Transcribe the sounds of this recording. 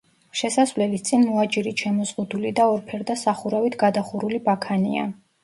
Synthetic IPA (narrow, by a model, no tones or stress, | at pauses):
ʃɛsasvlɛlist̪sʼinmɔad͡ʒiɾiʃɛmɔzʁud̪ulid̪aɔɾpʰɛɾd̪asaχuɾavit̪ʰɡad̪aχuɾulibakʰanḭa̰